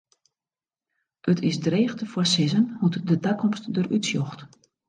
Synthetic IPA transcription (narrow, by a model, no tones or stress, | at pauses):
ʔətʰɪsdreːxtəfwɔsɪzənhutdədakʰɔmstdərʔytsjɔxt